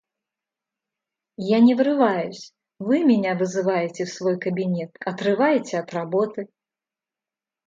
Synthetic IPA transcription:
janʲɛvɾɨvajusʲ | vɨmʲinʲavɨzɨvajɛt͡sʲɛwsvɔjkɐbʲinʲɛt̪ɐt̪rɨvajɛt͡sʲɛɐt̪rabɔt̪ɨ

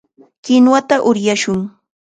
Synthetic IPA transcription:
kɪnwat̪aʔʊɾjaʃʊŋ

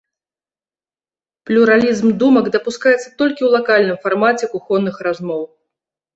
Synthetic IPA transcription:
plʲuɾalʲizmd̪umɐɡd̪ɐpuskajɛt̪sːɐt̪ɔlʲkʲiwlˠakalʲnɨmfarmat͡sʲɛkuxɔnːɨxrazmɔw

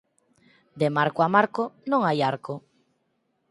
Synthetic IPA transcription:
d̪emaɾkoamaɾkonõŋajaɾko

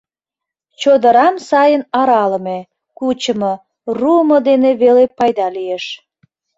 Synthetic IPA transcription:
t͡ɕod̪əɾɑmsɑjənɑɾɑləme | kut͡ɕəmo | ruəmod̪eneβelepɑjd̪ɑlieʃ

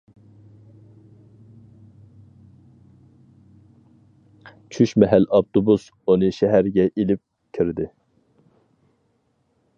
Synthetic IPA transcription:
t͡ʃʰyʃmɛɦælɑp̚t̪ʰobus | onɨʃɛɦæɾɡʲɛʔilɪp̚ | kʲʰiɾd̪ɪ

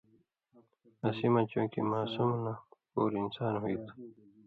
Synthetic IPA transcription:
asimat͡ɕũːkimaːsumnapoːɾinsaːnɦoit̪

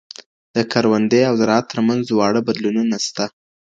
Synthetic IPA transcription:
d̪̥əkʰaɾwand̪ejawd̪əɾɑat̪ːəɾmanzwɑɽəbad̪lununast̪a

